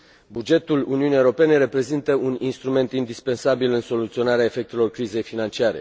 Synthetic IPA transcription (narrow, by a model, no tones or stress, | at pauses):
bud͡ʒe̞t̪uluniunijewɾo̞pe̞ne̞ɾe̞pɾe̞zint̪əuninst̪ɾume̞nt̪ind̪ispe̞nsabilɨnso̞lut̪sio̞naɾeae̞fe̞k̚t̪e̞lo̞rkɾize̞jfinant͡ʃiaɾe̞̰